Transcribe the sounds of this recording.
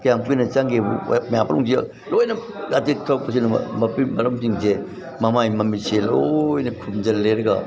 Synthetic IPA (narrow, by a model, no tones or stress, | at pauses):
kɐjaŋpujnɐt͡ʃaŋɡebṵmjapnuŋd͡ʒi | lojnɐ | ɡatitʰawpɐs̬inɐm̰mɐpimɐɾɐmsiŋze | mɐmajmɐmiselojnɐkʰumd͡ʒɐlːeɾɐɡɐ